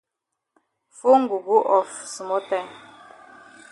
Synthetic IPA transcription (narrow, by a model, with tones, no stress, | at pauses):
fu˦ŋ̩˦˨ɡu˨ɡu˦ʔɔ˨fsu˨mɔ˦tɛ˦